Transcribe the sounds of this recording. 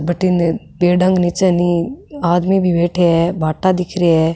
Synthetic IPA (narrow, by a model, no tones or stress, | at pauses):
bʱəʈin | peːɖə̃ŋɡnit͡ʃəniaːd̪mibʱiʋeːʈʰɛbʱaːʈad̪ikʰɾiɛ